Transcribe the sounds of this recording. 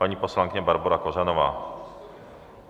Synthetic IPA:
paɲiposlaŋkɪɲɛbaɾbuɾakoʒɛnɔva̰ː

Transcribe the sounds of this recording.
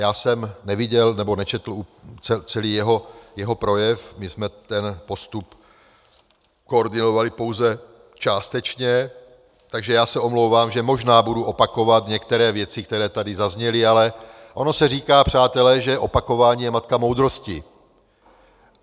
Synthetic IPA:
jaːsɛmnɛvɪɟɛlnɛbo̞nɛt͡ʃɛt̪l̩ut͡sɛt͡sɛliːjɛɦo̞jɛɦo̞pɾo̞jɛfmɪsmɛt̪ɛnpo̞st̪up | kooɾdɪno̞valɪpo̞wzɛ | t͡ʃaːst̪ɛt͡ʃɲɛ | t̪aɡʒɛjaːsɛo̞mlowvaːmʒɛmo̞ʒnaːbuduʔo̞pako̞vat̪ɲɛkt̪ɛɾɛːvjɛt͡sɪk̚t̪ɛɾɛːt̪adɪzazɲɛlɪalɛ | ʔo̞no̞sɛr̝iːkaːpr̝̥aːt̪ɛlɛʒɛʔo̞pako̞vaːɲiːjɛmat̪kamowd̪ɾo̞scɪ

